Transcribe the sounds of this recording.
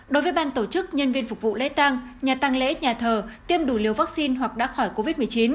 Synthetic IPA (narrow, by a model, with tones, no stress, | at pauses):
ɗo˨˦jvə˨˦jɓaː˧nt̪o˧˩t͡ɕɨ˦˥k̚ɲə˧nvi˧ənfʊ˨˩k͡p̚vṵ˧˨lḛ˧˥t̪aː˧ŋɲaː˨˩t̪a˧ŋlḛ˧˥ɲaː˨˩t̪ʰəː˨˩t̪i˧əmɗu˧˩li˨˩əwvaː˦˥k̚si˧nɦwa˨˩k̚ɗa̰ː˧˥xɔ˧˩jko˧vi˦˥t̚mɨ˨˩əjt͡ɕi˨˦n